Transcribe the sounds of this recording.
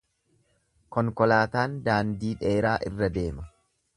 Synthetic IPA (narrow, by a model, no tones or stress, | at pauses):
kɔŋkɔlaːt̪aːnd̪aːnd̪iːᶑeːɾaːʔɪrːɐd̪e̞ːmɐ